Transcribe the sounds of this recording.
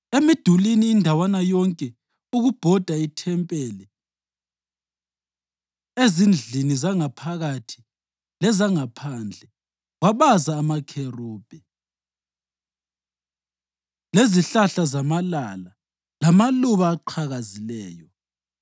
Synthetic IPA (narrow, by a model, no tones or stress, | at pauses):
emid̥ʱuliniːndʱawanajɔŋkʼɛ | uɣub̥ʱɔd̥ʱaitʰɛmpʼɛːlɛ | ezind͡ɮʱinizaŋapʰaɣatʰi̥ | lɛzaŋapʰand͡ɮʱɛ | waβazaːmakʰeruːb̥ʱɛ | leziɬaɬazamalala | lamaluβaːǃʰaɣazilɛːjɔ